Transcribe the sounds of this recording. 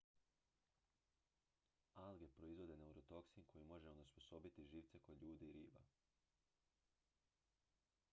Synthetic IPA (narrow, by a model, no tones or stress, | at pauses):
alɡe̞pɾo̞izʋo̞d̪e̞ne̞uɾo̞t̪o̞ksinkʰo̞jimo̞ʒeonospo̞so̞bit̪iʒiːʋt̪se̞ko̞d̪ʎuːd̪iːɾiːba̰